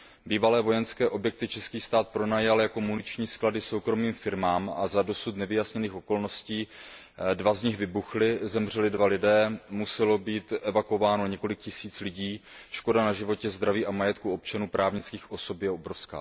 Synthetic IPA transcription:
biːvalɛːvo̞jɛnskɛːʔo̞bjɛk̚t̪ɪt͡ʃɛskiːst̪aːt̪̚pɾo̞naːjalɪjako̞munɪt͡ʃɲiːskladɪso̞wkɾo̞miːmfɪɾmaːma̰zado̞sut̪nɛvɪjasɲɛniːxʔo̞ko̞lno̞sciː | dvazɲɪxvɪbuxlɪzɛmr̝ɛlɪdvalɪdɛːmusɛlo̞biːt̪ʔɛvakovaːnoɲɛko̞lɪkcɪsiːt͡slɪɟiːʃko̞danaʒɪvo̞cɛzd̪ɾaviːʔamajɛt̪kuo̞p̚t͡ʃanuːpɾaːvɲɪt͡skiːxʔo̞so̞pjɛobɾo̞fska̰ː

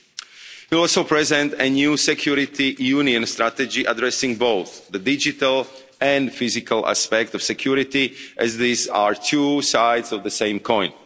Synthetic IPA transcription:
wiɔlˠsoʊpɹɛzɛ̃nt̪ɛnjuːsɛkʰjuɾɪt̪ijuːniə̃nst̪ɾat̪ɛd͡ʒiʔadɹɛsɪ̃ŋboʊθðədɪd͡ʒɪt̪əlˠ | ɛ̃ndfɪzɪkalˠʔa̰spɛk̚tɔfsɛkʰjuɾɪt̪iʔɛzðizaɹt̪ʰuːsaɪdzɔvðəsẽɪ̃mkʰɔ̃ɪ̃n

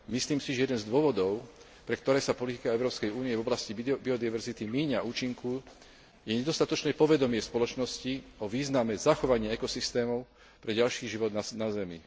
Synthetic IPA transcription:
misliːmsiʒɛjɛd̪ɛnzd̪ʊɔʋɔd̪ɔʊ | pɾɛkt̪ɔɾɛːsapɔlit̪i̥kaɛʊɾɔːpskɛjuːniɛvɔblascibiɔd̪iʋɛɾzit̪imiːɲauːt͡ʃiŋku | jɛɲɛd̪ɔst̪at̪ɔt͡ʃnɛːpɔʋɛd̪ɔmɪɛspɔlɔt͡ʃnɔsciɔʋiːznamɛzaxɔʋaɲɪɛɛkɔsist̪ɛːmɔʊ | pɾɛɟalʃiːʒiʋɔd̪anazɛmḭ

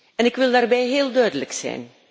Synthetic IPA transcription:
ɛnɪkʋɪlˠdaːrbɛjɦeːlˠdœɥdələksɛ̰jn

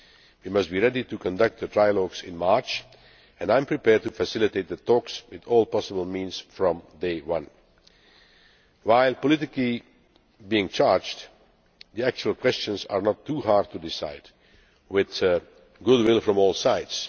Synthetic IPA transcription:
wimʌst̚b̥iɹɛditukʰɔ̃ndʌk̚t̪̚ðətʰɹ̥aɪəlɔɡzɪ̰̃nmɑɹt͡ʃ | ɛ̃ndãɪ̃mpʰɹ̥ipɛːɹd̚tufəsɪlˠɨteɪt̪̚ðətɔkswɪðɔːlˠpɑsəbl̩ˠmĩnz̥fɹɔ̃mdeɪwʌ̃n | waɪlˠpɔlɪtɪkli | biɪ̃ŋt͡ʃɑɹd͡ʒd | ðiæk̚t͡ʃuəl̩ˠkʰw̥ɛst͡ʃə̃nzə̰ɹnɔtʰːuɦɑɹd̚tʰudɪsaɪd | wɪð | ɡʊd̚wɪlˠfɹɔ̃mɔːlˠsaɪds

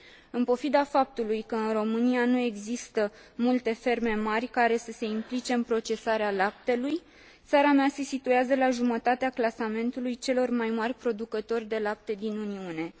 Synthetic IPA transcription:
ɨnpo̞fid̪afap̚t̪ulujkəɨnro̞mɨnianue̞ɡzist̪ə | mult̪e̞fe̞rme̞marʲkaɾe̞səse̞implit͡ʃe̞ɨnpɾo̞t͡ʃe̞saɾealap̚t̪e̞luj | t̪saɾamease̞sit̪ueazəlaʒumət̪at̪eaklasame̞nt̪ulujt͡ʃe̞lo̞rmajmarʲpɾo̞d̪ukət̪o̞rʲd̪e̞lap̚t̪e̞d̪inuniune̞

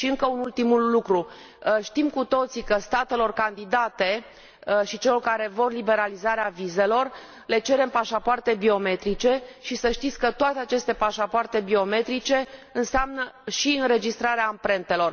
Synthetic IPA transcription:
ʃiɨŋkəunult̪imulːukɾu | ʃt̪imkut̪o̞t̪sikəst̪at̪e̞lo̞rkand̪id̪at̪e̞ | ʃit͡ʃe̞lo̞rkaɾe̞vo̞rlibe̞ɾalizaɾeavize̞lo̞r | le̞t͡ʃe̞ɾe̞mpaʃapoart̪e̞bio̞me̞t̪ɾit͡ʃe̞ʃisəʃt̪it̪sʲkət̪oat̪eat͡ʃe̞st̪e̞paʃapoart̪e̞bio̞me̞t̪ɾit͡ʃe̞ɨnseamnəʃiɨnɾe̞d͡ʒist̪ɾaɾeaɨmpɾe̞nt̪e̞lo̞r

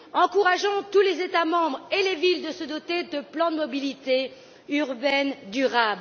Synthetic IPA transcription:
ɑ̃kuʁaʒɔ̃t̪ulezet̪amɑ̃bʁelevild̪əsəd̪ɔt̪ed̪əplɑ̃d̪əmɔbilit̪e | yʁbɛnd̪yʁabl

